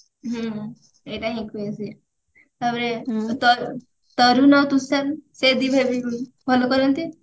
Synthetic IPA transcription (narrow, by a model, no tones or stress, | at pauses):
ɦũ | eʈaɦĩkuesi | t̪abɾet̪ɔ | t̪ɔɾunɔt̪usansed̪ibʱebiku | bʱɔlokɔɾɔnt̪i